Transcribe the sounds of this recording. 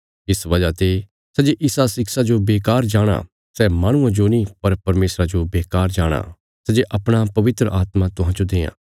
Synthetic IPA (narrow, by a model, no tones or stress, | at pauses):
ɪsʋɐd͡ʒat̪e | sɛd͡ʒeʔɪsasɪksad͡ʒobeːkaːɾd͡ʒaːɽ̃a̰ | sɛmaːɽ̃ʊ̃ãd͡ʒonipɐɾpɐɾmeːsɾad͡ʒobeːkaːɾd͡ʒaːɽ̃a̰ | sɛd͡ʒeʔɐpɽ̃apɐʋɪt̪ɾəʔaːt̪mãt̪ʊɦãd͡ʒod̪eːjã̰ː